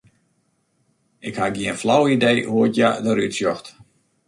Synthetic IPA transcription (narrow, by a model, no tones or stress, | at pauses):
ɪkhaɡiənflawidejhuətjadəɾytsjɔxt